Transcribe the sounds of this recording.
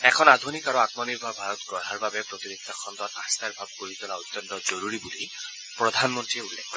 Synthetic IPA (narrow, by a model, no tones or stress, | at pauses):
ɛkʰɔnad̪ʱunikaɾuat̪mɔniɹbʱɔbʱaɾɔt̪ɡɔɹɦaɹbabɛpɾɔt̪ibek̚tʰːakʰɔnt̪ɔt̪ast̪aɹbʱab̚koɹit̪ɔlaɔt̪ːjɔnt̪ɔzɔɾuɾibuli | pɹɔd̪ʱanmɔntɹieulːekʰːɔ